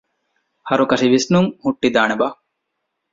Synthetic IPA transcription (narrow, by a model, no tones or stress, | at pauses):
hɐɾukɐʃiʋisnuŋhuʈːid̪aːneba